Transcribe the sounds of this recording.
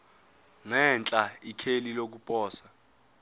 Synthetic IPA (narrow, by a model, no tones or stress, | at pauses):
ŋɛnt͡ɬʼaikʰelilok̬upʼɔːsḁ